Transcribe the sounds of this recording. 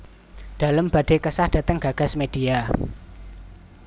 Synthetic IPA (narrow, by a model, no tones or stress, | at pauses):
d̪̥a̤ləmb̥ä̤ɖ̥e̤kəsahd̥ä̤t̪əŋɡ̥a̤ɡ̥a̤smed̥i̤a